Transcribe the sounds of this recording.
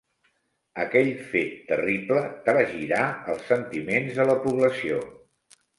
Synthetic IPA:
əkɛʎfet̪ːə̰riplət̪ɾaʒiɾaəlˠsːənt̪imenzələpuβləsio

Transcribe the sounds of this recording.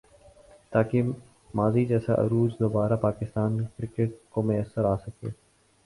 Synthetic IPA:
t̪aːke | maːzid͡ʒɛːsa̰ʔɐ̰ɾuːzd̪oːbaːɾapaːkɪst̪aːnkɾɪkəʈ̚komʊjəsːəɾaːsəkḛː

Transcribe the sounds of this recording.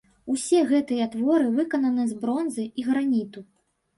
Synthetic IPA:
usʲɛɣɛt̪ɨjɐt̪vɔɾɨvɨkɐnɐnɨzbɾɔnzɨiɣɾanʲit̪u

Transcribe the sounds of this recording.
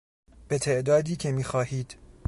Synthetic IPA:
b̥et̪ʰe̞ʔd̪ɒːd̪iːcʰe̞miːxɒːhiːd̪̥

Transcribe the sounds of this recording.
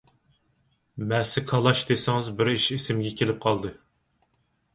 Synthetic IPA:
mɛsɪkʰɑlˠɑʃd̪esɪŋɨzbɪɾiʃisɪmɡʲɛkʲʰelɪp̚qʰɑlˠd̪ɨ

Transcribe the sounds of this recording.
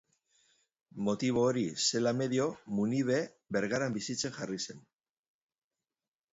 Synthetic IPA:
mo̞t̪iβ̞o̞ːɾise̞lame̞ðjo̞muniβe̞ | be̞ɾɣaɾambisit͡se̞nʝarise̞n

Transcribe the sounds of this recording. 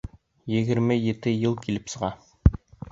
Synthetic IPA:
jɘ̆ɡɘ̆ɾmɘjɘ̆t̪ɘjɤlˠkilɘpsɤ̆ʁɑ

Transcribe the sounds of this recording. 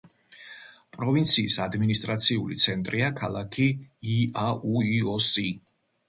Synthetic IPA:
pʼɾɔvint̪sʰiːsad̪minist̪ʼɾat̪sʰiulit̪sʰɛnt̪ʼɾiakʰalˠakʰiː | auiɔsi

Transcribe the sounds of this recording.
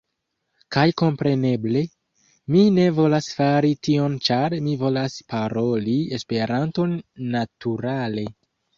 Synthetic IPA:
kajko̞mpɾe̞ne̞ble̞ | mine̞vo̞lasfaɾitio̞nt͡ʃaɾmivo̞laspaɾo̞lie̞spe̞ɾanto̞nːatuɾale̞

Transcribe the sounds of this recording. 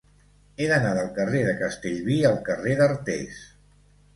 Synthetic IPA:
eðənaðəlˠkəreðəkəst̪eʎβiəlˠkəreðərt̪ḛs

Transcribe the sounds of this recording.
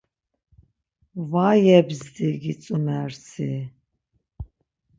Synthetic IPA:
vajɛbzd̪iɡit͡sʼumɛɾsʰi

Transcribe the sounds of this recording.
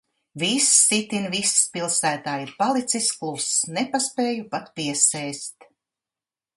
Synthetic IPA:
visːit̪invisːpilˠsæːt̪aːjiɾpalˠit̪sisklˠupsnepaspeːjupat̪piɛsɛjst̪

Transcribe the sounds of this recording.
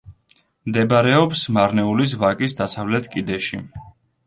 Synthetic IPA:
md̪ɛbaɾɛɔpsmaɾnɛulis̬vakʼisd̪asavlɛt̪ʰkʼid̪ɛʃḭ

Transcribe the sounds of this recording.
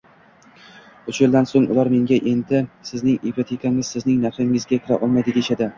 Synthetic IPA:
ʊt͡ʃʰjɪld̪ansoŋʊ̰lˠaɾme̞ŋɡʲaʔe̞nd̪ɪsɪznɪŋipʰat̪ʰekʰaŋɪzsɪznɪŋnafɪŋɪzɡʲakʲʰɪɾaʔɒlˠmajd̪ɪd̪eʃad̪ɪ

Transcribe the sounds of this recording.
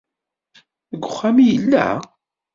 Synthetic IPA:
əɡʷːʊχːamijəlːæ̰

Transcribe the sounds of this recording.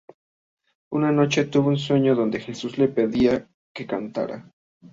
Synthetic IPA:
unano̞t͡ʃe̞t̪uβouns̬we̞ɲo̞ðo̞nd̪e̞xe̞suzle̞pe̞ðia | ke̞kant̪a̰ɾa̰

